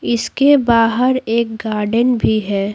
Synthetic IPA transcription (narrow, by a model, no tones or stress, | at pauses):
ɪskebaːɦəɾeːk̚ɡaːɾɖənbʱiɦɛː